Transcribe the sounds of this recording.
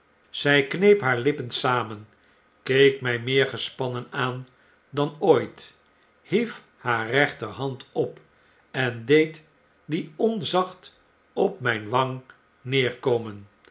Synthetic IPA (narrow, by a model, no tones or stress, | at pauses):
z̥ɛjknejpɦaːɹlɪpənsaːmən | kejkmɛjmɪːɹχəspɑnənaːn | dɑnoːjt | hif | haːɹrɛχtəɹɦɑntɔp | ɛndejt | diɔnzɑχt | ɔpmɛjnʋɑŋ | nɪːɹkomən